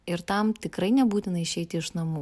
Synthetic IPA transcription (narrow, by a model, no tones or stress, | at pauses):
ɪɾt̪ɐmt̪ʲɪkɾɐɪnʲɛbuːt̪ʲɪnɐɪʃʲɛɪt̪ʲɪɪʃnɐmuː